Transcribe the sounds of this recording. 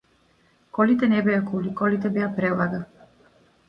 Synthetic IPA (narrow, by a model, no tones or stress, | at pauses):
kɔlit̪ɛnɛbɛakulikɔlit̪̬ɛbɛapɾɛlˠaɡa